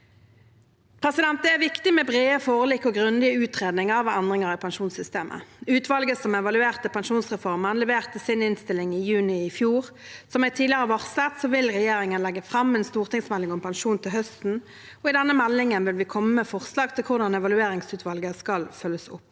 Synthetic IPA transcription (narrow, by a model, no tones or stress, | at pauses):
pʰʁɛsɪd̪ɛnt̪̚d̪ɛæʋɪkt̪ɪmɛbʁeːəfoːʁlikːɔɡʁʉnd̪ɪəʉːt̪ʁeːd̪nɪŋəɑʋænd̪ʁɪŋəʁɪpʰɛnʃuːnsʏst̪ḛːmʔə̰ʉːt̪ʋɑlɡəsɔmɛʋɑlʉeːʁt̪əpʰɛnʃuːnsʁɛfɔʁmənlɛʋeːʁt̪əsɪnɪnst̪ɪlːɪŋɪjʉːnɪɪfjuːʁ | sɔmæt̪ʰiːd̪ɪəʁəʋɔʁsət̪sɔʋɪlʁɛjeːʁɪŋənlɛɡːəfʁɑmɛnst̪uːʁt̪ɪŋsmɛlːɪŋɔmpʰɛnʃuːnt̪ʰɪlɦhœst̪n̩ | ɔɪd̪ɛnːəmɛlːɪŋənʋɪlʋɪkʰɔmːəmɛfɔʁslɑːɡt̪ʰɪlkʰʊʁd̪ɑnɛʋɑlʉeːʁɪŋsʉːt̪ʰʋɑlɡəskɑlfœlːəsʊ̰pː